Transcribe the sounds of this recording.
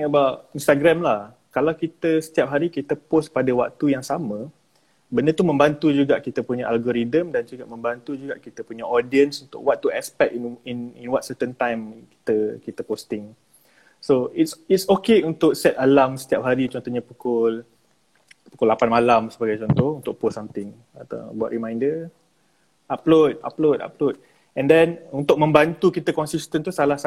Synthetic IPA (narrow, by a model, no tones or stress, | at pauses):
ŋəbaʔinst̪aɡɾamlah | kalawkit̪əsə̥t̪iap̚ɦaɾikit̪əpos̚padawa̰k̚t̪ujaŋsamə̃ | bəndət̪umə̃mbant̪ud͡ʒuɡaʔkit̪əpuɲaʔalɡoɾidəmdand͡ʒuɡaʔmə̃mbant̪ud͡ʒuɡaʔkit̪əpuɲaʔɔdiənsunt̪ʊ̰kwak̚t̪ːuɛspɛk̚inininwat̪sət̪ənt̪ajmki̥t̪əkit̪əpost̪ɪŋ | soitsitsokeunt̪ʊk̚sɛt̪alamsə̥t̪iap̚ɦaɾit͡ʃɔnt̪ɔɲapukʊl | pukʊlapanmalamsəbaɡajt͡ʃɔnt̪ɔhunt̪ʊk̚posamt̪ɪŋ | at̪a̰bua̰ʔɾimãjndə | ʔaplot̚a̰plota̰plot̚ | ɛ̃ndɛnunt̪ʊk̚mə̃mbant̪ukit̪əkɔnsist̪ənt̪usalahs